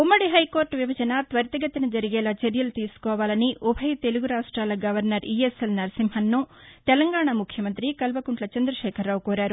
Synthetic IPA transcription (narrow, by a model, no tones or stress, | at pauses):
umːɐɽiɦɐjko̞ːɾʈʋjibɐd͡ʒɐnɐt̪ʋɐɾt̪ɐɡɐt̪ːinɐd͡ʒɐɾiɡɛːlaːt͡ʃɐɾjɐlut̪iːsu̥kɔːʋaːlɐniʔubʰʱɐjt̪e̞luɡuɾaːʂʈɾaːlɐɡɐʋɐɾnɐɾieselnɐɾɐsimɦɐnːut̪ɛlɐŋɡaːɳɐmukʰjɐmɐnt̪ɾikɐlbɐkuɳʈlɐt͡ʃɐnd̪ɾɐʃɛːkʰɐɾːaːwkoːɾaːɾu